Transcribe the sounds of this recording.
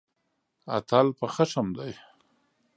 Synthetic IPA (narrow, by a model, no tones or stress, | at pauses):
a̰t̪alpəxaʂamd̪aj